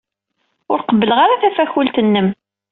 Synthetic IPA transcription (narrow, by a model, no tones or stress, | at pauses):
ʊɾqəbːələʁaɾaθæfæçʊlt̪ənːəm